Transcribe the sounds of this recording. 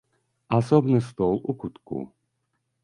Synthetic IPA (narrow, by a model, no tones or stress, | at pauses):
asɔbnɨst̪ɔlˠʔukut̪kṵ